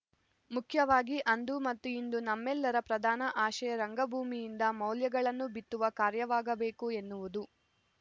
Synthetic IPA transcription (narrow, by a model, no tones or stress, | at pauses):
mukʰjɐʋaːɡiʔɐnd̪umɐt̪ːuind̪unɐmːɛlːɐɾɐpɾɐd̪ʱaːnɐʔaːʃɐjɐɾɐŋɡɐbʱuːmijind̪ɐmɐwljɐɡɐɭɐnːubit̪ːuʋɐkaːɾjɐʋaːɡɐbe̞ːkue̞nːuʋud̪u